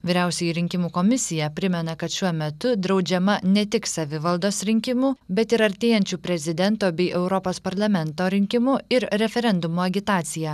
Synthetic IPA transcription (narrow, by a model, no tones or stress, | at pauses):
ʋʲiːɾʲæˑʊsʲɛjiɾʲɪŋʲkʲɪmuːkomʲɪsʲɪjɛpʲɾʲɪmʲɛnɐkɐt̪ʃʲuɔmʲɛt̪ʊd̪ɾɒʊd͡ʒʲɛmɐnʲɛt̪ʲɪksɐʋʲɪʋɐlˠd̪oːsɾʲɪŋʲkʲɪmuːbʲɛt̪ɪɾɐɾʲt̪ʲeːjɛnʲt͡ʃʲuːpʲɾʲɛzʲɪd̪ʲɛnt̪oːbʲɛɪʔɛʊɾɔpoːspɐɾlˠɐmʲɛnt̪oːɾʲɪŋʲkʲɪmʊɪɾɾʲɛfʲɛɾʲɛnd̪ʊmuːɐɡʲɪt̪ɑːt̪sʲɪjæː